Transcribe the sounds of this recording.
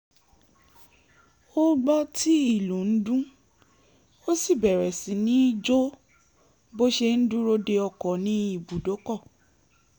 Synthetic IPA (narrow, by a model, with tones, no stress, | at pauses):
o˦ɡ͡bɔ˦ti˦i˦˨lu˨˦n̩˦dũ˦ | o˦si˦˨bɛ˨ɾɛ˨sĩ˨˦nĩ˦i˦d͡ʒo˦ | bo˦ʃe˧n̩˦dũ˦ɾo˦de˧ɔ˧kɔ̃˨nĩ˦i˦˨bu˨do˨˦kɔ˦˨